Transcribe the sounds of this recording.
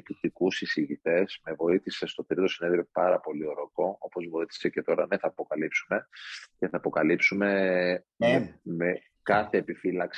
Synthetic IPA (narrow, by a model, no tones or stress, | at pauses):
t̪ukt̪ikusisiʝit̪e̞z̥me̞vo̞iθise̞st̪o̞t̪ɾit̪o̞sine̞ðɾio̞pɐɾɐpo̞lio̞ɾo̞ko̞o̞po̞zvo̞iθi̥se̞ce̞t̪o̞ɾɐneθɐːpo̞kɐlipsume̞ce̞θɐːpo̞kɐlipsume̞ | meme | kɐθe̞ːpifilɐks